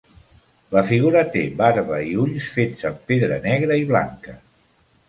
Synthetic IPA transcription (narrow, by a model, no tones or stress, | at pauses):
ləfiɣuɾət̪eβaɾβəiuʎsfed͡zzəmpeðɾənɛɣ̞ɾəiβla̰ŋkə